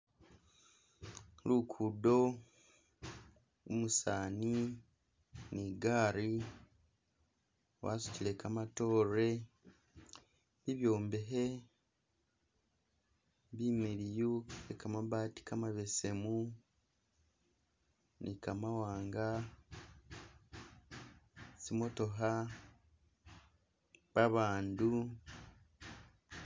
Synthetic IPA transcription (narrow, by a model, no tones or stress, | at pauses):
lukʰudo̞ | umusaːni | niɡaːɾi | wa̰ːsu̥cile̞kamato̞ːɾe | βiβjo̞ːmbeɦe | βimeɾijuekamaβati̥kamaβe̞se̞mu | nikamawaːŋɡa | simo̞to̞ɦa | βaβaːndu